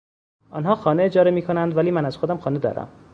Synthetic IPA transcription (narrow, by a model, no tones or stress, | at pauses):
ʔɒːnɦɒːxɒːneed͡ʒɒːɾemiːkʰonænd̪væliːmænæz̥xod̪æmxɒːne̞d̪ɒ̰ːɾæ̰m